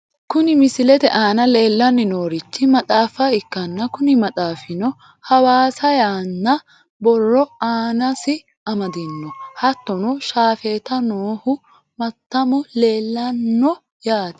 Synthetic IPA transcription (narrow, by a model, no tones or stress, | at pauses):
kʊnɪmɪsɪlɛt̪ɛ̰ʔaːnɐle̞ːlːɐnːɪno̞ːɾɪt͡ʃːɪmɐt͡sʼaːfːɐɪkːɐnːɐkʊnɪmɐtʼaːfɪnɔ | hɐwaːsɐjaːnːɐ | bɔrːɔaːnɐsɪ | ɐmɐd̪ɪnːɔhɐt̪ːɔnɔʃaːfeːt̪ɐnoːhʊ | mɐt̪ːɐmʊle̞ːlːɐnːɔ | jaːt̪ɛ̥